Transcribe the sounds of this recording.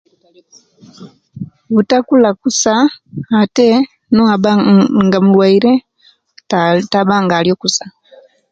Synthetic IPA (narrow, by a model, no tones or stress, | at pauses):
βutakulakusaː | tɛ | nɔaɓaŋɡamulwaiɾɛ | taɓaŋɡaljɔkusḁ